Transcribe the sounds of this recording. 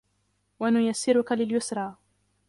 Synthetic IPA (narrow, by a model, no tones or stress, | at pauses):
wanʊjasːɪɾʊkalɪljʊsɾˤɑː